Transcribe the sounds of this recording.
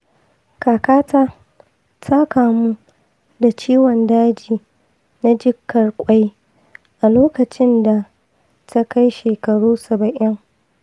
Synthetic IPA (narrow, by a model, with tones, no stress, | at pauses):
kaː˨kaː˦taː˦ | tʰa˦kaː˨mu˦ | da˨t͡ʃiː˦wɔ˨ndaː˦d͡ʒiː˨ | na˦d͡ʒɪ˦kʰːɐ˨rkʷʼa˦j | ʔa˨loː˦kɐ˨t͡ʃɪ˦nda˨ | tʰa˦ka˦jʃeː˨kɐ˨ɽuː˦sɐ˨bɐ˨ʔɪ˦ŋ